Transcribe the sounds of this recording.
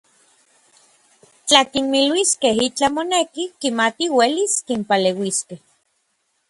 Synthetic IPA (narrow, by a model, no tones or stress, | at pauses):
t͡ɬakinmilwiskehit͡ɬamonekikimat̪iweliskimpalewiskeh